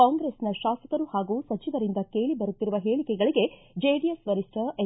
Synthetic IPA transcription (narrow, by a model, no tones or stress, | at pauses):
kaːŋɡɾesnɐʃaːsɐk̪ɐɾuhaːɡuːsɐt͡ʃiʋɐɾind̪ɐke̞ːɭibɐɾut̪ːiɾuʋɐɦe̞ːɭikɛɡɐɭiɡe̞ | d͡ʒeːɖiesʋɐɾisʈɐʔe